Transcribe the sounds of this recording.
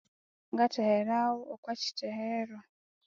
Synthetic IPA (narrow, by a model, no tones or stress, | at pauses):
ŋɡateheɾawookwaci̥teheɾo